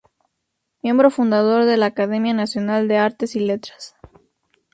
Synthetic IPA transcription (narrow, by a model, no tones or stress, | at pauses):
mjẽ̞mbɾo̞fund̪að̞o̞ɾðe̞laːkað̞e̞mjanasjo̞nald̪e̞aɾt̪e̞sile̞t̪ɾḁs